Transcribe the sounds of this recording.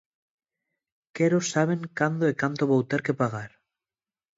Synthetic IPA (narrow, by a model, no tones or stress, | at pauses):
keɾosaβ̞eŋkand̪oekant̪oβowt̪eɾkepaɣ̞aɾ